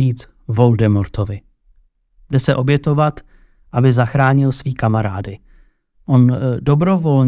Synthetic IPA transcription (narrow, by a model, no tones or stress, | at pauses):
iːt͡s | vo̞ldɛmoɾt̪ovɪ | bdɛsɛʔo̞bjɛt̪o̞vat̪ | ʔabɪzaxɾaːɲɪlsviːkamaɾa̰ːdɪ | ʔo̞ndo̞bɾo̞vo̞lɲ